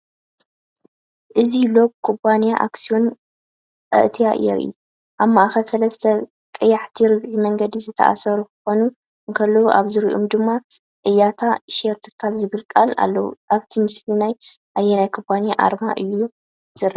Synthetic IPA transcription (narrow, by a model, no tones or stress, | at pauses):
ʔɨzilo̞b̚kʰubanijaʔa̰ksio̞nʼ | ɐ̰ʔt̪ʰija̰jɛ̰ɾ̰ʔḭ | ʔaβmaʔaxɐsɐlɐst̪ʰɐ | kʼɨjːaħt̪ʰiɾɨβʕimɐŋɡɐd̪izɨt̪ʰɐ̰ʔa̰sɐɾukʰɨ̥xo̞nu | ʔɨŋkʰɐlːowuʔaβzɨɾiʔṵmd̪ɨmːa | kʼɨjːat̪ʰaʃeɾt̪ʰɨ̥kʰalzɨβɨlkʼala̰lːɐwuʔaβt̪ʰimɨslinajʔajːenajkʰubʼanijaʔa̰ɾmaʔɨjːu | z̥ɨrɐ